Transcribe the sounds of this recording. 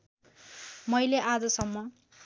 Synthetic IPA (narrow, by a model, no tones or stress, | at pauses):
mʌjleʔad͡zʌsʌmːʌ